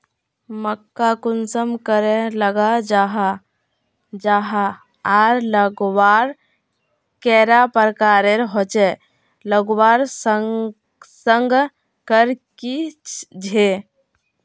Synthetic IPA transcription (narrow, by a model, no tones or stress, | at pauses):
məkːakunsəmkəɾeləɡad͡ʒaɦa | d͡ʒaɦa | aɾləɡwaɾ | kɛɾapəɾkaɾeɾɦot͡ʃɛ | ləɡwaɾsə | səŋɡ | kəɾkid͡ʒʱe